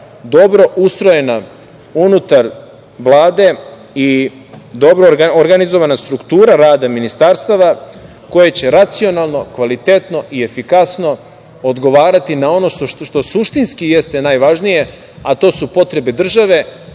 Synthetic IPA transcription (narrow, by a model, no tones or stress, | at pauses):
d̪o̞bɾo̞ʔust̪ɾo̞je̞na | unut̪aɾ | ʋlˠaːd̪e̞ | i | d̪o̞bɾoɾɡaoɾɡanizo̞ʋanast̪ɾukt̪uːɾaɾaːd̪aminist̪aɾst̪aʋa | ko̞je̞t͡ɕe̞ɾat̪sio̞nalˠno̞kʋalit̪et̪no̞ʔie̞fikasno̞ | od̪ɡo̞ʋaːɾat̪inao̞no̞ʃoʃt̪o̞suʃt̪inskijest̪e̞najʋaʒnije̞ | at̪o̞ːsupo̞t̪ɾe̞be̞d̪r̩ʒaʋe̞